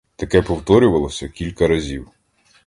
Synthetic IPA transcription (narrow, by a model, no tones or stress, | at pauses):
t̪ɐkɛpɔwt̪ɔɾʲʊʋɐlˠɔsʲɐkʲilʲkɐɾɐzʲiw